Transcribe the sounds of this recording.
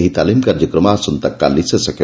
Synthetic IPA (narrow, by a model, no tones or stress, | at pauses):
ɦit̪alimkaɾd͡ʒəkɾəmasunt̪ɐkːa̰lisəsəkʰe